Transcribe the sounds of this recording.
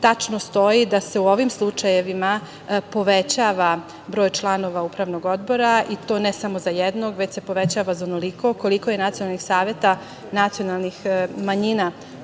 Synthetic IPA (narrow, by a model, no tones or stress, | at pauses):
t̪at͡ʃnost̪o̞id̪ase̞uo̞ʋimslˠut͡ʃajeʋima | po̞ʋet͡ɕaːʋa | bɾo̞ːjt͡ʃlˠano̞ʋaupɾaʋnoɡo̞d̪bo̞ɾaʔit̪o̞ːnesamo̞zajed̪no̞ɡʋe̞t͡ɕse̞po̞ʋet͡ɕaːʋazaonoliko̞ko̞liko̞jenat̪sijonalnixsaːʋje̞t̪a | nat̪sijonalˠnixmaɲina